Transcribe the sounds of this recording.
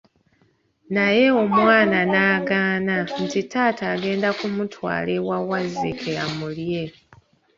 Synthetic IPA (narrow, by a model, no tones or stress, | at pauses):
naje̞o̞mwaːnanaːɡaːnan̩titaːtʰaːɡe̞ːndakumutʰwa̰ːle̞wawazːikʰeamulje̞